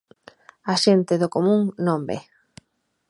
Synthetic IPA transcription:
aʃent̪ɪðʊkomũŋnõmbḛ

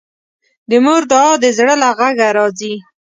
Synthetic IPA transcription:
d̪əmoɾd̪ɑːd̪əzɽəlaɣaɡaɾɑzi

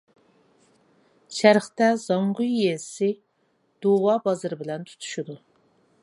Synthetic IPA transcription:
ʃæɾχt̪ɛz̥ɑɴʁujːesɪ | d̪̥owɑːbɑzɨɾɪbɪlɛnt̪ʰu̥t̪ʰu̥ʃud̪u

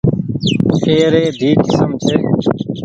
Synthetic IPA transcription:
kʰeːɾeːd̪ʱiːʈʰsəmt͡ʃʰeː

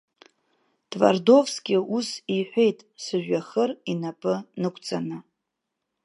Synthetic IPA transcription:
tʼva̰rdo̞vskʲʼɪusiħʷe̞jtʼsɨʒᶣaχərinapʼɨnɨkʷʰʼt͡sʼanɨ

